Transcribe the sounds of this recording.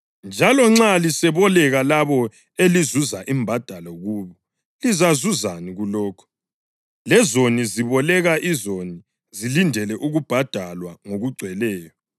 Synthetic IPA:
nd͡ʒʱalɔŋ͡ǁalisɛβɔlɛɣalaβɔ | elizuzaʔimbʱad̥ʱalɔɣuːβɔ | lizazuzaniɣulɔːkʰɔ̥ | lɛzoniziβɔlɛɣaʔizoni | zilindʱɛlɛʔuɣub̥ʱad̥ʱalwaŋoɣuɡ͡ǀʱwɛlɛːjɔ

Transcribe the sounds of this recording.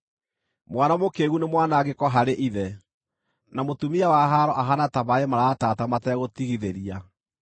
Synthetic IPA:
mwanamokeːɣunemwanaːɣekɔɦaɾeʔiðɛ | namotumiawaɦaɾɔʔaɦanatamaɛmaɾaːtaːtamatɛɣotiɣiðeɾia

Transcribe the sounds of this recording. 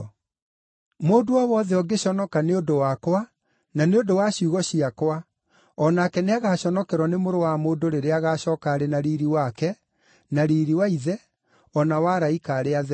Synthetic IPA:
moːdoɔwɔðɛɔɡeɕɔnɔkaneondowakwa | naneodowaɕuɣɔɕiakwa | ɔnaːkɛneaɣaːɕɔnɔkɛɾwɔnemoɾowamoːndoɾeɾeaɣaːɕɔːkaɾenaɾiːɾiwakɛ | naɾiːɾiwaiðɛ | ɔnawaɾaikaːɾeaðɛ

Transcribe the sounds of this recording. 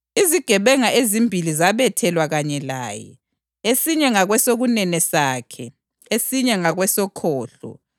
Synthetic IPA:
iziɡ̥ʱɛβɛŋaʔezimbʱilizaβɛtʰɛlwaɣaɲɛla̰ːjɛ̰ | esiɲɛŋaɣwɛsoɣunɛnɛsaːkʰɛ | esiɲɛŋaɣwɛsɔkʰɔːɬɔ̰

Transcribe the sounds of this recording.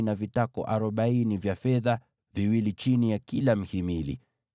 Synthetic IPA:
navitakɔ̰ʔaɾɔɓainivjafɛða | viwilit͡ʃinijakilam̩himilḭ

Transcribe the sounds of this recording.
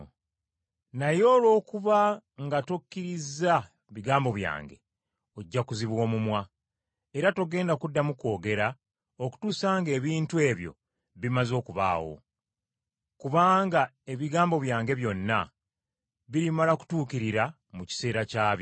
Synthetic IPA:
najo̞ːlo̞ːkuβaŋɡato̞kːiɾiza | βiɡaːmbo̞βja̰ːŋɡe̞̰ | oɟːakuziβwo̞ːmumwa | eɾato̞ɡe̞ːndakudːamuko̞ːɡe̞ɾa | oku̥tuːsaːŋɡe̞ːβiːntue̞ːβjo̞̰ | βimazo̞ːkuβa̰ːwo̞̰ | kuβaːŋɡae̞βiɡaːmbo̞βjaːŋɡe̞βjo̞nːa̰ | βiɾimalaku̥tuːkiɾiɾa | muci̥se̞ːɾacaːβj

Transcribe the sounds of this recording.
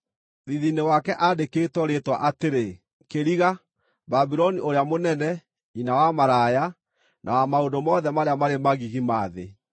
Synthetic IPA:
ðiðinewakɛʔadeketwɔɾetwaʔateɾe | keɾiɣa | babiɾɔnioɾeamonɛnɛ | inawamaɾaja | nʔa̰wamaodomɔðɛmaɾeamaɾemaɣiɣimaːðḛ

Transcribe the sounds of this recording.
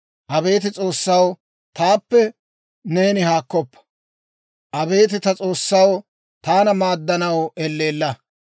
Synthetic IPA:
ʔɐbe̞ːt̪ɪt͡sʼo̞ːsːɐw | t̪aːpːɛ | ne̞ːnɪhaːkːɔpːɐ̥ | ʔɐbe̞ːt̪ɪt̪ɐt͡sʼo̞ːsːɐw | t̪aːnɐmaːd̪ːɐnɐwɛlːeːlːɐ

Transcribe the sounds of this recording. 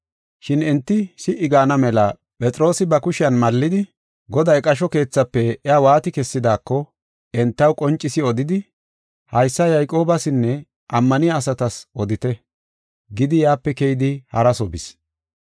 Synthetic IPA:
ʃɪnɛnt̪ːɪsɪʔɪɡaːnɐmɛlɐ | pʼɛt͡sʼɾo̞ːsɪbɐkʊʃɪjɐnmɐlːɪd̪ɪ | ɡɔd̪ɐjkʼɐʃ̬ɔke̞ːt͡sːɐpːɛɛawaːt̪ɪkɛsːɪd̪aːkːɔ | ɛnt̪ːɐwkʼɔnt͡ʃʼːɪsɪɔd̪ɪd̪ɪ | hɐjsːɐjɐjkʼo̞ːbɐsɪnːɛ | ʔɐmːɐnɪjaːsɐt̪ɐsʔɔd̪ɪt̪ɛ | ɡɪd̪ɪjaːpːɛkɛjɪd̪ɪhɐɾɐsɔbɪs

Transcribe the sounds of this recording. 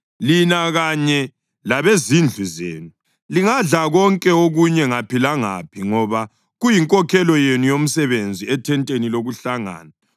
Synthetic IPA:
linaɣaɲɛ | laβezind͡ɮʱuzḛːnu | liŋaɮaɣɔŋkʼɛoɣuɲɛŋapʰilaŋa̰pʰiŋɔβa | ɣujiŋkʼɔkʰɛlɔjenujom̩sɛβend͡zʱiɛtʰɛntʼeniloɣuɬaŋa̰ːna

